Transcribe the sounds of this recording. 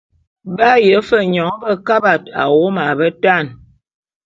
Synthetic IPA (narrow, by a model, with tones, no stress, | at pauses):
ba˦jə˨˦fə˦˨ɲɔ˨˦bə˦ka˦ba˨ta̰˨wo˦ma˨bə˦ta˦˨n